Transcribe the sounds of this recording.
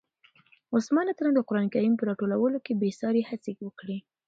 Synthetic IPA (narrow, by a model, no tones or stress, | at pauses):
ʊsmɑnat̪əɾand̪əqʊɾɑnkajimpəɾɑʈolawəlokebesɑɾehat͡sewəkɽi